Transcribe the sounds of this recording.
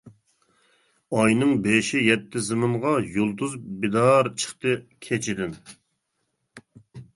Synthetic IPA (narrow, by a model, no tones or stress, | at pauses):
ɑjnɨŋbeʃijɛt̪ʰːɪzɨmɨɴʁɑjolˠt̪uzbid̪ɑɾt͡ʃʰə̥χt̪ɨkʲʰet͡ʃʰid̪ɪn